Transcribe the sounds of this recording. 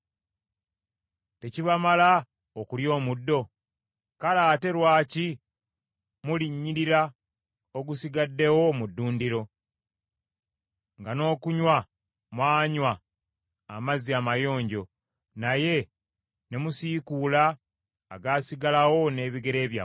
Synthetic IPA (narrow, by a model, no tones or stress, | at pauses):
te̞ciβamala | okuljo̞ːmudːo̞ | kalaːte̞ɾwaːci | muliɲːiɾiɾa | o̞ɡusiɡadːe̞wo̞mudːuːndiɾo̞ | ŋɡano̞ːkuɲwa | mwaːɲwaː | maziamajo̞ːɲɟo̞ | naje̞ | nemusiːkuːlaː | ɡaːsiɡalawo̞ne̞ːβiɡe̞ɾe̞ːβja